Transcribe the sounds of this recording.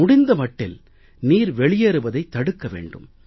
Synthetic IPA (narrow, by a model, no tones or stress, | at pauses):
ʊɽɪnd̪ɐmɐʈːɪ̰l | niːɾʋɛɭɪjɐɾɯbɐðɐɪt̪ːɐɽɯkːɐʋḛːɳɖɯ̰m